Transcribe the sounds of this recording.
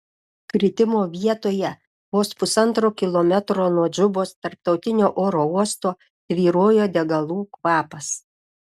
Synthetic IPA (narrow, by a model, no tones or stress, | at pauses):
kɾʲɪt̪ʲɪmoːʋʲiɛt̪oːjɛ | ʋoːspʊsɐnˑt̪ɾoːkʲɪlˠɔmʲɛt̪ɾoːnuɔd͡ʒʲʊboːst̪ɐɾp̚t̪ɒʊt̪ʲɪnʲoːʔoːɾoːuɔst̪oː | ʋʲiːɾoːjoːd̪ʲɛɡɐlˠuːkʋɑːpɐs